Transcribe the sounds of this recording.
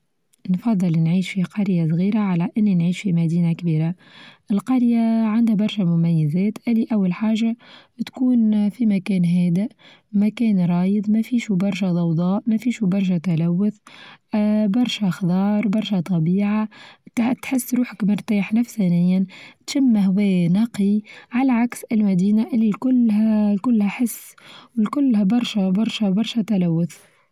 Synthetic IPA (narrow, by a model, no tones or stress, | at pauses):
nfɑd̪ˤːɨlːinʕiːʃfiqɑɾjas̬ˤɣiːɾaʕalæʔɪnːinʕiːʃfimæd̪iːnakbiːɾa | ʔɪlqɑɾjaʕand̪hæbɑɾˤʃamʊmæjːɪzɛːt̪ʔæliʔawːalħaːʒa | t̪kuːnfimækɛːnɦɛːd̪ɪʔ | mækɛːnɾˤɑːjəd̪ˤmæfiːʃubɑɾˤʃæd̪ˤɑwd̪ˤɑːʔmæfiːʃubɑɾˤʃ̬æt̪ælæwːʊθ | bɑɾˤʃaxd̪ˤɑːɾˤbɑɾˤʃæt̪ˤɑbiːʕat̪t̪ħɪsːɾuːħakmɪɾt̪aːħnafsænɪjːant̪ʃamːaɦwɛːnɑqiʕalaʕaksɪlmæd̪iːnaʔɪlːikʊlːhkʊlːhæħɪsːwɪlkʊlːhæbɑɾˤʃabɑɾˤʃabɑɾˤʃat̪alawːʊθ